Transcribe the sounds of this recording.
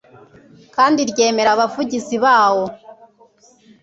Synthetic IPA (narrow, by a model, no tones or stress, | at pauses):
kaːndiɾɟe̞ːme̞ɾaβavuɟiziβaːwo